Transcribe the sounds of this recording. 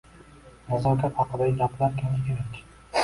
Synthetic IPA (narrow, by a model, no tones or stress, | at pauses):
nazɒkʲʰaɾhɑqɨd̪aɡʲɪɡʲaplaɾkʲʰɪnɡʲɪkʲʰeɾakʲ